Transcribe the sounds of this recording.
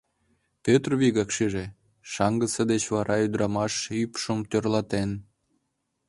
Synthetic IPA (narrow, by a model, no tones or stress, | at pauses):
pʲøt̪rβiɣɑkʃiʒe | ʃɑŋɡət͡səd̪et͡ɕβɑɾʔɑyd̪ɾɑmɑʃypʃəmt̪ørlɑt̪en